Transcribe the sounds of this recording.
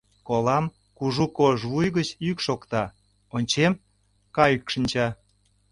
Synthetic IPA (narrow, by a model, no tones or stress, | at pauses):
kolɑm | kuʒukoʒβujɣət͡ɕykʃokt̪ɑ | onʲt͡ɕem | kɑjykʃənʲt͡ɕɑ